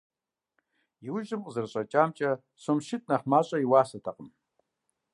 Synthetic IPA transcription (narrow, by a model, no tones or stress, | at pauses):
jiwʊʒɨmqəzɨrɕʼɐt͡ʃʼaːmt͡ʃʼɐ | sʷomʃɪtʼnɐχmaːɕʼɐiwaːsɐtʰaqʼəm